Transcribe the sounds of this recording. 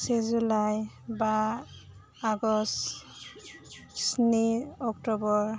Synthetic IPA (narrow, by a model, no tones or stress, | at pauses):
sezulaj | ba | aɡɔs | sniɔktɔbɔɹ